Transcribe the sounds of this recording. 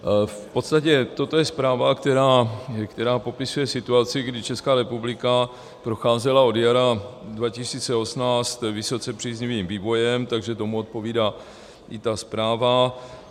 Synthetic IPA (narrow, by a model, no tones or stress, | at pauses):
fpo̞t̪st̪acɛt̪o̞t̪ojɛspɾaːvakt̪ɛɾaːkt̪ɛɾaːpo̞pɪsujɛsɪt̪uat͡sɪɡdɪt͡ʃɛskaːɾɛpublɪka | pɾo̞xaːzɛlao̞djaɾadvacɪsiːt͡sɛo̞snaːt͡st̪vɪso̞t͡sɛpr̥iːzɲiviːmviːvo̞jɛmt̪aɡʒɛt̪o̞muot̪̚po̞viːdaː | ʔɪt̪aspɾaːva